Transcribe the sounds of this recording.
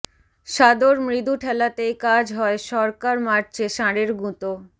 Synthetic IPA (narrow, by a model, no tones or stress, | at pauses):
ʃad̪oɾmɾid̪uʈʰɛlat̪ejkad͡ʑɦɔeʃɔɾkaɾmaɾt͡ɕeʃãɾeɾɡũt̪o